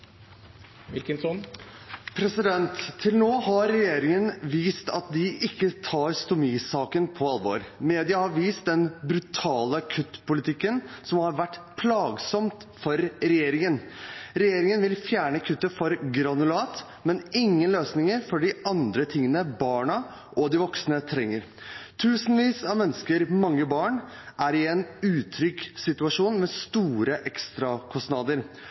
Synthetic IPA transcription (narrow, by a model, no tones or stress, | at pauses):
ʋɪlkənsɔn | pʰɾɛsɪd̪ɛnt̪ʰːɪlnoːɦɑɾːɛjeːɾɪŋənʋiːst̪ɑ̰t̪̚d̪ɪʔɪkːət̪ʰɑːɾst̪ʊmiːsɑːkənpʰɔɑlʋo̰ːɾmeːd̪ɪəhɑɾʋiːst̪̚d̪ɛnbɾʉt̪ʰɑːləɑkʰʉt̪pʰʊlɪt̪ʰɪkːənsɔmhɑɾʋæʈːpʰlɑːɡsɔmt̪ | fɔɾɾɛjeːɾɪŋənɾɛjeːɾɪŋənʋɪlfjæːɳəkʰʉt̪ːəfɔɾɡɾɑnʉlɑːt̪ | mɛnɪŋːənløːsnɪŋəɾfɔɖɪɑnd̪ɾət̪ʰɪŋːənəbɑːɳɑ | ʔɔd̪ɪʋɔksnət̪ʰɾɛŋːəɾ | t̪ʰʉːsənʋiːsɑʋmɛnːəskəɾmɑŋːəbɑːɳ | ʔæɾɪɛnʉːt̪ʰɾʏksɪt̪ʉɑʂuːnmɛst̪uːɾəʔɛkst̪ɾɑkʰɔsnɑːd̪əɾ